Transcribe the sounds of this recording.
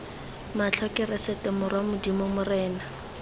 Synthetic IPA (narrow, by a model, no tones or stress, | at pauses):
mat͡ɬʰɔkɪrɛsɛtɛmʊrwamʊdimɔmʊrɛːna